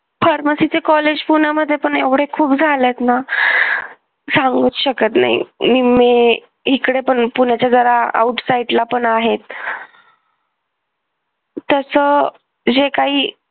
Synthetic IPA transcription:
fəɾməsit͡sekɔled͡ʑpunaməd̪ʱːjepəɳeʋɽ̤ekʰuːpd͡zʱalet̪na | sãŋɡut͡s̪ɕəkət̪na̰ɦḭmime | ikɽepəɳpuɳjat͡ɕjad͡zəɾaa̰uʈsaiɖlapəɳaɦet̪ | əsə | d͡ʑekaɦiː

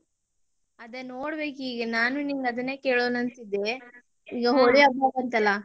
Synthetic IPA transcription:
ɐd̪ɐnːoːɽbeːkiːɡɐnaːnuniŋɡɐd̪ɐnːe̞ːke̞ːɭoːnɐnt̪id̪ːe̞ | iːɡɐɦoɭiabaːkɐnt̪ɐlːɐ

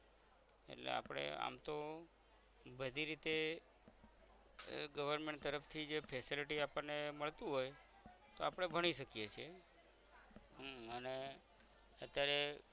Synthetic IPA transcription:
ḛʈlḛa̰pɽ̃ḛa̰mt̪o | bəd̪ʱiɾit̪e | ɡəʋəɾmeɳʈt̪əɾəft̪ʰid͡ʒepʰesiliʈiapəɾneməɭt̪ũɦoj | t̪oapəɽ̃ebʱəɽ̃iʃəkijet͡ʃʰie | ɦəne | ət̪jaɾe

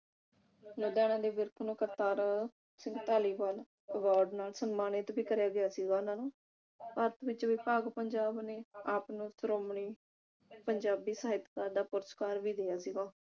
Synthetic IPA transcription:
d͡ʒoːd̪ɛːɽ̃ãːd̪eːʋɪɾkʰnũːkəɾt̪aːɾ | sɪ̃ŋɡt̪aːliːʋaːl | əʋaːɾɖnaːlsənmaːnɪt̪biːkəɾjaːɡɪjaːsiːɡaːʊnãːnũː | paːɾət̪ʋɪt͡ʃʋɪpaːɡpəɲd͡ʒaːbneːaːpnũːsəɾoːmɳiː | pəɲd͡ʒaːbiːsaːɪt̪kaːɾd̪aːpʊɾəskaːɾʋiːd̪eːjaːsiːɡaː

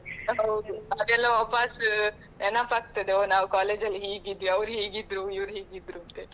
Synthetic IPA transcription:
ɐwɾuɐd̪ɛlːɐʋaːpas | enaːpaːɡ̚t̪ɐd̪eoːnaːʋkaːleːd͡ʒɐlːiɦeːɡid̪ʋiɐʋɾɦeːɡid̪ːɾuiʋɾɦeːɡid̪ɾunt̪e

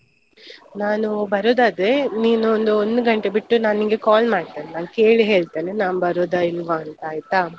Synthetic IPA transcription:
naːnubɐɾoːd̪aːd̪ɾeniːnuond̪uond̪uɡɐɳʈebiʈːunaːniŋɡekaːlmaːɽ̚t̪eːnenaːnke̞ːɭiɦe̞ːɭt̪eːnenaːnubɐɾoːd̪ailʋaːnt̪ɐaːjt̪a

